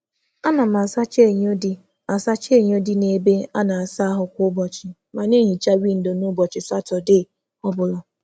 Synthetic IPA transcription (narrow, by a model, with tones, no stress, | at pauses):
a˦na˨ma˨sa˦t͡ʃe˦˨ɲ˦o˦di˦ | a˨sa˦t͡ʃe˦˨ɲ˦o˦di˦ne˨be˦a˦na˨a˨sa˦ɦʊ˨kʷʊ˦ʊ˦bɔ˨t͡ʃɪ˨ | ma˨ne˦ɲi˨t͡ʃa˦wi˦˨n̩˨do˨nʊ˦bɔ˨t͡ʃɪ˨sa˦tɔ˨de˦˨ | ɔ˦bʊ˨lɔ˨